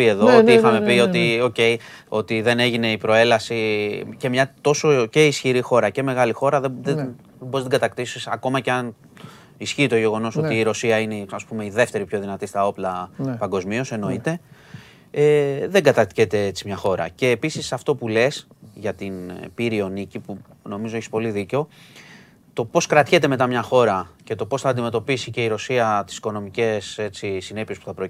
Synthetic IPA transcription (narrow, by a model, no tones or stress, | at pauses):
pie̞ðoot̪iixɐmepio̞t̪io̞ce̞j | o̞t̪iðe̞ne̞ʝine̞ipɾo̞e̞lɐsice̞mɲɐt̪o̞so̞ce̞isçiɾixo̞ɾɐce̞me̞ɣɐlixo̞ɾɐðeðe | boest̪ɡɐt̪ɐkt̪isisɐ̰ko̞mɐceɐn | isçiːt̪o̞ʝe̞ɣo̞no̞so̞t̪iːɾo̞siɐineɐspume̞iðe̞ft̪e̞ɾipço̞ðinɐt̪ist̪ɐo̞plɐpɐŋɡo̞zmio̞se̞no̞it̪e̞ | eðeŋɡɐt̪ɐst̪çet̪e̞et͡simɲɐxo̞ɾɐ̰ce̞ːpisisɐft̪o̞pule̞sʝɐt̪inpiɾio̞nicipu | no̞mizoe̞çispo̞liðiceo̞ | t̪o̞po̞skɾɐt̪çe̞t̪e̞me̞t̪ɐmɲɐxo̞ɾɐce̞t̪o̞po̞sθɐːnd̪ime̞t̪o̞pisice̞iɾo̞siɐt̪i̥si̥ko̞no̞mice̞se̞t͡sisine̞pie̞spu̥θɐpɾo